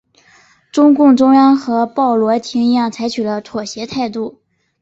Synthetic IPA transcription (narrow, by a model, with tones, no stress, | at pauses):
ʈ͡ʂʊ˥ŋkʊ˥˩ŋʈ͡ʂʊ˥ŋjɑ˥ŋxɤ˧˥pɑ˥˩ʊlwɔ˧˥t̪ʰi˧˥ŋi˧˥jɑ˥˩ŋt͡sʰa˧˥ɪt͡ɕʰy˨˩lə˦t̪ʰwɔ˨˩ɕjɛ˧˥t̪ʰa˥˧ɪt̪u˥˩